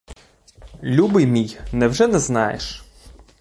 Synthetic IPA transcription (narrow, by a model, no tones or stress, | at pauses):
lʲubɪjmʲijnɛwʒɛnɛznɑjḛʃ